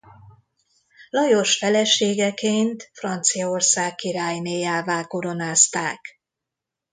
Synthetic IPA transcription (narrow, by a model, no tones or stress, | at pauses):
lɒjo̞ʃfɛlɛʃeːɡɛkeːnt̪frɒnt̪sijɒo̞rsaːkːiɾaːjmeːjaːvaːlko̞ɾo̞naːst̪aːk